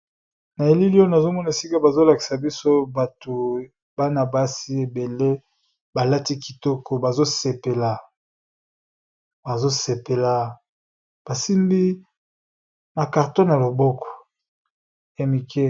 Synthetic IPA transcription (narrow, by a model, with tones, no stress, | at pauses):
na˨e˨li˦li˦o˦na˨zo˦mɔ˦na˨e˨si˦ka˦ba˨zo˦la˨ki̥˨sa˨bi˦so˦ba˨tu˨ | ba˦na˨ba˦si˦e˨be˨le˦ | ba˨la˦ti˦ki˨tɔ˦kɔ˨ba˨zo˦se˨pe˨la˨ | ba˨zo˦se˨pe˨la˨ | b̥a˨si˦mbi˦ | ma˨ka˨ʁtɔ˦na˨lo˨bɔ˦kɔ̥˨ | e˨mi˨ke˦